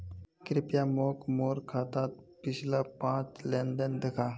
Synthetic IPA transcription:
kɾipjamokmoɾkʰat̪at̪̚pit͡ɕʰlapãt͡slɛ̃nɖənd̪ekʰa

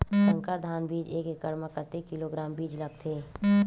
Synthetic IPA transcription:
sə̃ŋkəɾd̪ʱaːnbiːd͡ʒeːkekəɾməkət̪ekiloɡɾaːmbiːd͡ʒlɐɡ̚t̪ʰeː

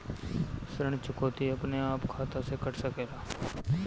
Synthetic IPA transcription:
sɾəɳt͡ʃʊkoːt̪iəpneaːpkʰaːt̪ãsekəʈsəkeːlaː

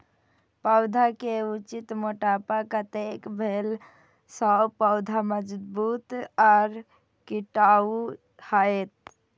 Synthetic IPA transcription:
pəʊd̪ʱakeut͡ʃit̪moʈaːpakət̪ekbʱeːl | sɔpəʊd̪ʱaməd͡ʒbuːt̪ɔːɾ | kiʈau | haet̪̚

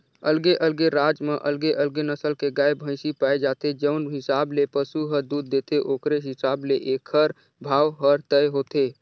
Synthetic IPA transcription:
əlɡeʔəlɡeɾad͡ʒmeʔəlɡeʔəlɡenəsəlkeɡaːebʱə̃ɪsipaed͡ʒat̪ed͡ʒəʊnɦɪsablepəsuɦəɾd̪ud̪ːet̪eʔoːkɾeɦɪsableʔekʰːəɾ | bʱaːwɦəɾt̪əjɦot̪e

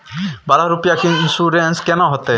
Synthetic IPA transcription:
baɾaɾupijakʰiinsuɾenskɛnɔɦɔt̪ɛ

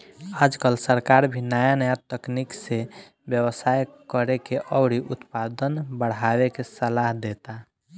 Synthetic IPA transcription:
ad͡ʒkəlsəɾkaɾbʱinajanəjat̪əknikse | bjəwəsajkəɾekeʔəʊɽiʔut̪pad̪ənbəɽ̤abekesəlaɦd̪et̪a

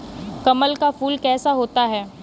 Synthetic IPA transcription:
kɐməlkafuːlkɛːsaɦoːt̪aɦɛː

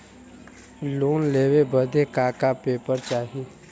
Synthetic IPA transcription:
loːnleːwebəd̪ekaːkapeːpəɾt͡ʃaːɦi

